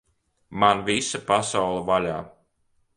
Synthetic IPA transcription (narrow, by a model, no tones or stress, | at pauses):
manvisapasawlˠɐvalʲaː